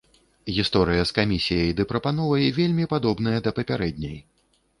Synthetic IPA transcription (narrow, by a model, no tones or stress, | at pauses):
ɣʲist̪ɔɾɨjɐskamʲisʲijɐjd̪ɨpɾɐpanɔvɐjvʲelʲmʲipad̪ɔbnɐjɐd̪ɐpɐpʲaɾɛd̪ʲnʲɐj